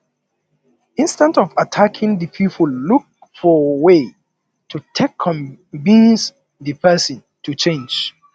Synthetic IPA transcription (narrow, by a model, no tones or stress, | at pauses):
ĩnstə̃ntɔvatʰakʰĩŋðipʰipʰəlluk̚ | fɔwe | tʰutʰekʰːɔ̃mvĩns | ðɨpʰɛsə̃n | tʰut͡ʃẽnd͡ʒ